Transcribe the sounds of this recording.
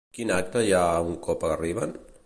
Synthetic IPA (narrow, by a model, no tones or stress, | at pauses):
kinak̚t̪əʒauŋkɔpariβ̞an